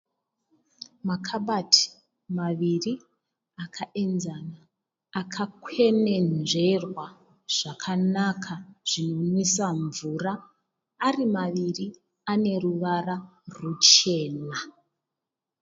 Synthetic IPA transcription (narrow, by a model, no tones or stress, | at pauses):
makʰaɓatʰi̥ | maʋiri | akʰaʔe̞nzanaː | kʰakwe̞ne̞nʐe̞rwa | ʐ̥akʰanakʰaʐ̥ino̞nwesaɱvuraː | rimaʋiri | ane̞ruʋararut͡ʃe̞ːna